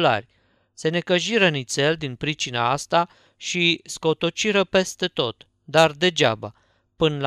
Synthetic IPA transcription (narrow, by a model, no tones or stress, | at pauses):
la̰rʲ | se̞ne̞kəʒiɾənit̪se̞ld̪inpɾit͡ʃina̰ast̪a | ʃisko̞t̪ot͡ʃiɾəpe̞st̪e̞t̪o̞t̪ | d̪ard̪e̞d͡ʒaba | pɨnl